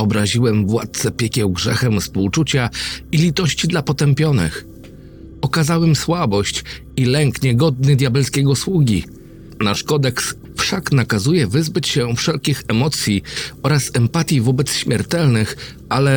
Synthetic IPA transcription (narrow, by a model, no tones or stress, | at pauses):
ɔbɾaʑiwɛmvwa̰t̪̚t̪sɛpʲjɛkʲɛwɡʐɛxɛmspuwt͡ʂut͡ɕailʲit̪ɔɕt͡ɕid̪lapɔt̪ɛmpʲjɔnɘ̰x | ɔkazawɛmswabɔɕt͡ɕ | ilɛŋkɲɛɡɔd̪̚nɘd̪ʲjabɛlskʲɛɡɔswuɡʲi | naʂkɔd̪ɛks | fʂaknakazujɛvɘzbɘt͡ɕɕɛfʂɛlkʲixɛmɔt̪sʲjiɔɾasɛmpat̪ʲjivɔbɛt̪sɕmʲjɛɾt̪ɛlnɘx | ʔalɛ